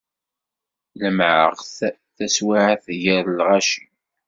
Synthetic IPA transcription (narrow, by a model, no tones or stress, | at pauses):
ləmʕə̰ʁθ | θæswaʕaθʝəɾlʁɑʃin